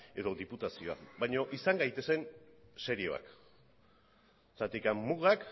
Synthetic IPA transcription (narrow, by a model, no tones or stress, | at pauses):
e̞ðo̞ðiput̪asio̞a̰βajɲo̞ʔisaŋɡajt̪e̞se̞nse̞ɾio̞a̰k | t̪at̪ikamːuɣak